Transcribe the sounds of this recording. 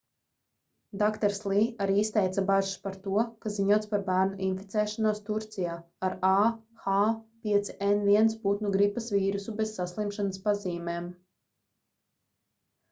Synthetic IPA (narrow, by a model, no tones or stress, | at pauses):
d̪akt̪ɛɾslˠiːaɾiist̪ɛjt̪sabaʒuspaɾt̪uɔkaziɲuɔt̪spaɾbæːɾnuʔinfi̥t̪sɛːʃanuɔst̪uɾt̪sijaː | aɾaːxaːpʲiɛt̪si̥ʔɛnviɛnsput̪nuɡɾipɐsviːɾusubesːaslˠimʃanaspaziːmeːm